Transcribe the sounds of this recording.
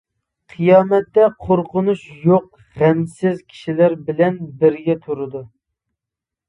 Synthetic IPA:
qʰɨjɑːmɛt̪ːɛqʰoɾqʊnuʃjoq | ʁæmsɪzkʲʰi̥ʃilæɾbɪlɛnbɪɾɡʲɛt̪ʰuɾɨd̪u

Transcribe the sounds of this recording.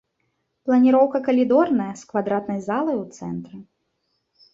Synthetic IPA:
plˠɐnʲiɾɔwkɐkɐlʲid̪ɔrnɐjɐskvad̪ɾat̪nɐjzalˠɐjwt̪sɛ̰nt̪ɾɨ

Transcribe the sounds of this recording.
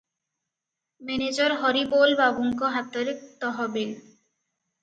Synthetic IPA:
mened͡ʑɔɾɦɔɾibolbabuŋkoɦat̪ːoɾik̚t̪ɔɦɔbe

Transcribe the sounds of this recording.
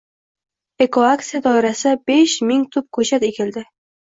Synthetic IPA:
ekoakt̪sijad̪ɒɪɾasɪbeʃmɪŋt̪ʰʊp̚kʰɵt͡ʃat̪ekʲʰeld̪ɪ

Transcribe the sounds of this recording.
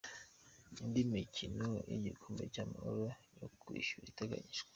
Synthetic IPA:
indimicʰinoʔiɟikʰuːmbecamahoɾojokʰwḭːʃuɾiteɡa̰ɲiʒɡwe

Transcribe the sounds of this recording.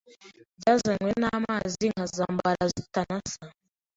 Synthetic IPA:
bɟaːzaɲwenaːmaːziŋhazaːmbaɾazitanasa

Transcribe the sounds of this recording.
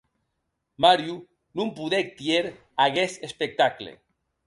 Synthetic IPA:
maɾju | nũmpuðek̚t̪ieɾ | aɣesespek̚t̪aklḛ

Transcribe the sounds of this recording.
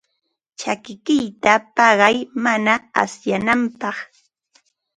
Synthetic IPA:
t͡ʃakɪkɪjt̪apɑɢɑjmanaa̰sjanampɑχ

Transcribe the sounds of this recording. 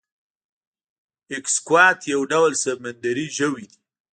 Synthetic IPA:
ɪkskwɑt̪jawɖawlsəb̚mand̪aɾiʒəwid̪i

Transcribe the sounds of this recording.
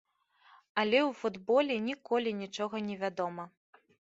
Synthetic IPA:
ɐlʲɛwfud̪bɔlʲɛnʲikɔlʲinʲit͡ʂɔɣɐnʲɛvʲad̪ɔmɐ

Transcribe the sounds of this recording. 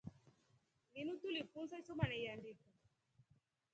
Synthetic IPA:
minut̪ulifunsasumanɛiandiku

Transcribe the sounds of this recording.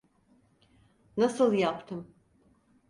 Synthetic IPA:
nasɯlˠjapt̪ʰɯm

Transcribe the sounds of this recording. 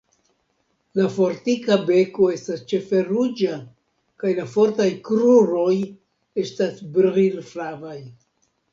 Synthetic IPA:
lafo̞ɾtikabe̞ko̞e̞stast͡ʃe̞fe̞ɾud͡ʒa | kajlafo̞ɾtajkɾuɾo̞j | e̞stasbɾʁilflavaj

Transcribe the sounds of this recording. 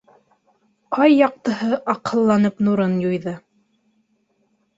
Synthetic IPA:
qɑjːɑq̚t̪ɤ̆ɦɤʔɑqʰɤ̆lˠːɑnɤpnuɾɤnjujðɤ

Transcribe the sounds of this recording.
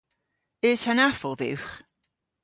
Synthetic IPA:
ɪshənafɔlˠðɪ̰wχ

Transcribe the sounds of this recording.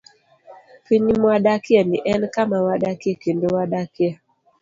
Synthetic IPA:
piɲimaɗakjaniʔɛnkamawaɗakiɛkendowaɗakja

